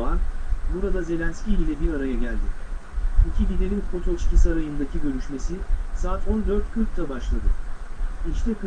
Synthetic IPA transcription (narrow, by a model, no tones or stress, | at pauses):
anbuɾad̪aze̞lʲænscʲilʲlʲɛbiɾaɾajaɟælʲd̪ɪ | icʰib̪id̪eninpʰot̪ʰo̞lˠiʃcʰisaɾajɯnd̪acʰiɟø̞ɾyʃme̞sisaːt̪ʰo̞nd̪ø̞ɾt̪̚cʰyɾʲc̚ʲt̪ʰɛbaʃlˠad̪ɯ̰ | it͡ʃt̪ʰɛkɯ